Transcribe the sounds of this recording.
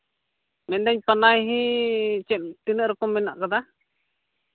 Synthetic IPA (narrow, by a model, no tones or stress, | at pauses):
mɛnd̪aɲpanajɦĩt͡ʃɛmt̪inɛʔɾɔkɔmːɛna̰ʔkad̪a